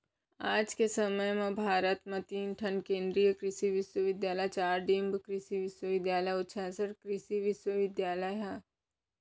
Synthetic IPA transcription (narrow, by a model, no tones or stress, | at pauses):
aːd͡ʒkesəməjmẽbʱaːɾət̪mẽt̪iːnʈʰɐnkẽːnd̪ɾijəkɾɪʃiʋɪʃwəʋɪd̪jaːləjt͡ʃaːɾɖiːmbkɾɪʃiʋɪʃwəʋɪd̪jaːləjʊtːʃʰasəʈkɾɪʃiʋɪʃwəʋɪd̪jaːləjɦɛ